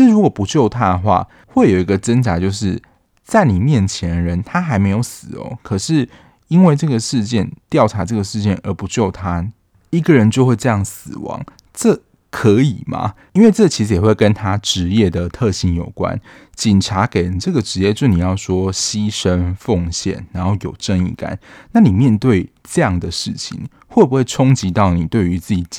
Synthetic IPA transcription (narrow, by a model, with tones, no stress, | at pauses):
i˧ʂɻ̩˥˨ɻu˧˥kwɔ˨˩pu˧˦t͡ɕjo˥˨˩ʊt̪ʰa˦˥d̪ə˨xwa̰˥˩ | xwe˥˩ɪjo˨˩i˨˧˦ɡə˧˨t͡sə˥nʈ͡ʂa˧˥t͡ɕjo˥˧ʊʂɻ̩˥˩ | t͡sa˥˩ɪni˨˩mjɛ˥˩nt͡ɕʰjɛ˧˦nɻə˧˦nt̪ʰa˥xa˧˥ɪme˧˥ɪjo˨˧˥ʊsɹ̩˨˩ɔ̰˧˦kʰɤ˨˩ʂɻ̩˥˩ | i˦˥nwe˥˧ɪʈ͡ʂɤ˥˩ɡə˩ʂɻ̩˥˧t͡ɕjɛ˥˨nt̪jɑ˥˩ʊʈ͡ʂʰa˧˥ʈ͡ʂɤ˥˩ɡə˩ʂɻ̩˥˧t͡ɕjɛ˥˩nə˧˥pu˧˦t͡ɕjo˥˩ʊt̪ʰa˦ | i˦˥ɡə˨ɻə˧˦nt͡ɕjo˥˧ʊxwe˥˧ɪʈ͡ʂɤ˥˧jɑ˥˩ŋsɹ̩˨˩wɑ̰˧˥ŋ | ʈ͡ʂɤ˥˩ | kʰə˨˧˥i˨˩ma̰˨˦ | i˥nwe˥˧ɪʈ͡ʂɤ˥˩t͡ɕʰi˧˥ʂɻ̩˧˦jɛ˨˩xwe˥˩ɪkə˦nt̪ʰa˦ʈ͡ʂɻ̩˧˥jɛ˥˩d̪ə˩t̪ʰɤ˥˨˩ɕi˧˥njo˨˩ʊkwa̰˦n | t͡ɕi˨˩nʈ͡ʂʰa˧˥ke˨˩ɪ˩ʈ͡ʂɤ˥˩ɡə˩ʈ͡ʂɻ̩˧˥jɛ˥˧t͡ɕjo˥˩ni˨˩jɑ˥˩ʊswɔ˥ɕi˦˥ʂə˦nfo˥˨ŋɕjɛ̰˨˩nːa˧˥nxo˥˩ʊjo˨˩ʊʈ͡ʂə˥ŋḭ˥˨˩ka̰˨˦nna˥˩ni˨˩mjɛ˥˧nt̪we˥˧ɪʈ͡ʂɤ˥˧jɑ˥˩ŋd̪ə˩ʂɻ̩˥˩t͡ɕʰḭ˨˩˦ŋ | xwɔ˥˩bu˨˩xwe˥˩ɪʈ͡ʂʰʊ˥ŋt͡ɕi˧˥t̪ɑ˥˩ʊni˨˩t̪we˥˩ɪy˧˥˦t͡sɹ̩˥˩t͡ɕi˨˩t͡ɕ